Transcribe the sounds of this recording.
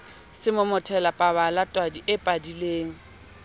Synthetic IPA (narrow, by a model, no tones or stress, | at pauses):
sɪmʊmʊtʰɛlapʼaβalatʼwadiʔɪpʼadileːŋ̩